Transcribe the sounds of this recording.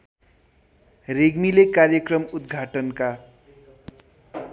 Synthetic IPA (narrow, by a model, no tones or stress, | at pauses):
reɡmilekarjʌkrʌmud̪ɡʱaʈʌnka